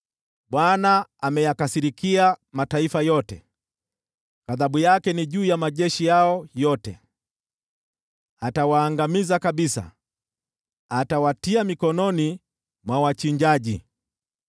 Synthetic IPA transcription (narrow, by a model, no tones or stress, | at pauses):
ɓwanaamɛjakasiɾikiamataifajɔtɛ̰ | kaðaɓujakɛniʄuːjamaʄɛʃijaɔjɔtɛ̰ | atawaːŋɡamizakaɓisa̰ | atawatiamikɔnɔni | mwawat͡ʃiɲd͡ʒaʄi